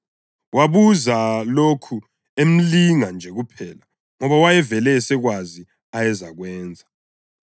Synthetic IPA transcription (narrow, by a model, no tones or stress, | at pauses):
wʔaβuzalokʰu | em̩liŋand͡ʒʱɛɣupʰɛːla | ŋɔβawajɛvɛlɛːsɛɣwazi | ajɛzaɣwɛːnd͡zʱa